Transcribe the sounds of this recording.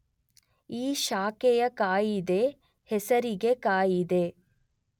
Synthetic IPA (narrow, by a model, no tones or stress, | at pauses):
iːʃaːkɛjɐkaːjid̪e̞ | hɛsɐɾiɡe̞kaːjid̪e̞